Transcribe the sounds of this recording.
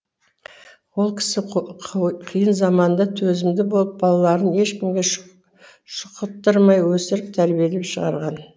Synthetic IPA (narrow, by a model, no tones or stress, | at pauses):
wo̞lˠkʲʰɪ̥sɪ | qʰijənzɑmɑnd̪ɑt̪ʰɵzɪmd̪ɪbo̞lˠəp̚bɑlˠɑlˠɑɾəne̞ʃkʲɪmɡʲe | ʃʊ̥qət̪ːəɾmɑjwɵsɪɾɪp̚t̪ʰæɾbije̞lɪpʃəʁɑ̰ɾʁɑn